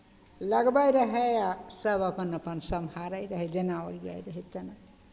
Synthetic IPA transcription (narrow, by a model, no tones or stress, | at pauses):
ləɡbajɾəɦeasəbəpənəpənsəmhaɾajɾəɦɛd͡ʒenaoɾija̰jɾəɦɛt̪ena